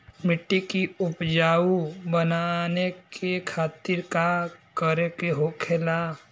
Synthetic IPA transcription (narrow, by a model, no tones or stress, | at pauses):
mɪʈːikiʊpd͡ʒaːubənanekekʰaːt̪ɪɾkakəɾekeɦokʰela